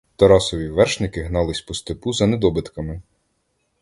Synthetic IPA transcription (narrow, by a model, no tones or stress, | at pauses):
t̪ɐɾɑsɔʋʲiʋɛrʃnɪkɪɦnɑlˠɪsʲpɔst̪epuzɐned̪ɔbɪt̪kɐmɪ